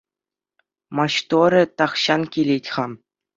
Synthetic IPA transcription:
mɑɕt̪oɾʲɘ̆t̪ɑχɕɑnkʲilʲetʲχɑm

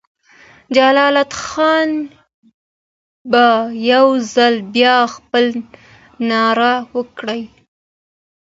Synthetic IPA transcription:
d͡ʒalɑlat̪xɑn | bajawzalbjɑxpəl | nɑɾawəkɽəj

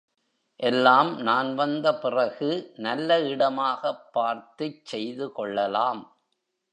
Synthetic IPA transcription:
ʔɛlːaːmnaːnʋɐnd̪ɐpɪrɐɣɯnɐlːɐɪɽɐmaːɣɐpːaːɾt̪ɯt͡ʃsɛjðɯkɔɭːɐlaːm

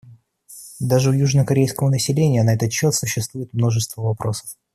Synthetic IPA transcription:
d̪aʐɨʊjuʐnəkɐɾʲejskəvənəsʲɪlʲenʲɪjənɐɛt̪ət̪t͡ɕːo̞t̪sʊɕːɪst̪vujɪt̪mno̞ʐɨst̪vəvɐpɾo̞sə̥f

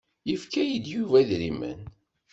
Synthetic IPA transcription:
jəfkæjid̪juvæðɾimə̰n

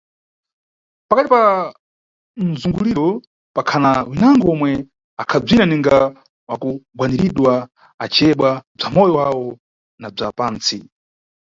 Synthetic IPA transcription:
pakatipa | n̩zuŋɡuliɾɔ | pakʰanawinaŋɡɔɔmwɛ | akʰab͡ʐinaniŋɡa | wakuɡwaniɾiɗwa | at͡ʃʰiɛɓwab͡ʐamɔjɔwawɔ | nab͡ʐapaːnt͡si

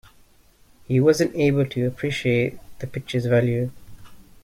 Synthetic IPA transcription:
hiwɒzə̃nteɪbəlˠtʰəəpʰɹ̥iʃieɪt̚ðəpɪk̚t͡ʃəzvæljʉ

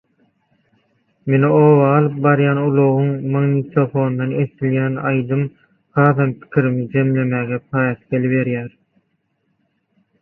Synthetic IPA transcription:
menioːβɑːlˠɯp̚bɑɾjɑːnulˠoʁuŋmɑɣnit̪ʰofo̞ːnd̪ɑnesiljæːnɑjd̪ɯm | hɑːðɑmpʰi̥kʲʰiɾimid͡ʒe̞mle̞mæːɣepʰɑːjɑθɡeliβe̞ɾjæːɾ

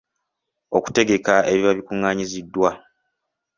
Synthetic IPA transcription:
o̞ku̥te̞ɡe̞kae̞βiβaβikuŋːaːɲizidːwa

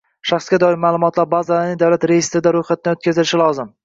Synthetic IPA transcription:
ʃaχsɡʲad̪ɒɪmaːlˠʊmɒt̪laɾbaːzalaɾnɪŋd̪awlat̪ɾejest̪ɾɪd̪aɾojχat̪ʰɪnɪot̪̚kʲazɪlɪʃɪlˠɒzɪm

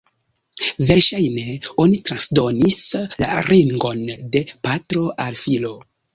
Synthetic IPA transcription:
ve̞ɾʃajne̞o̞nitɾansdo̞nisla̰ɾiŋɡo̞nde̞patɾo̞ʔalfilo̞

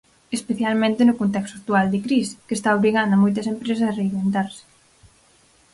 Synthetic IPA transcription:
espeθjalmẽnt̪ɪnʊkont̪ɛkst̪oak̚t̪uald̪ɪkɾiskest̪aoβɾiɣand̪ɐmojt̪̬ɐsempɾes̬ɐsareimβbent̪aɾsɪ̥

